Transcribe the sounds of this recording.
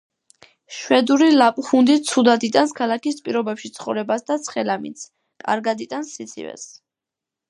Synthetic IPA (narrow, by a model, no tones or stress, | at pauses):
ʃwɛd̪uɾilapʼχund̪it̪sʰud̪ad̪it̪ʼanskʰalˠakispʼiɾɔbɛpʃit̪sʰχɔvɾɛbasd̪at̪sʰχɛlamḭnt̪sʰ | kʼa̰ɾɡad̪it̪ʼansːit̪sʰḭvɛ̰s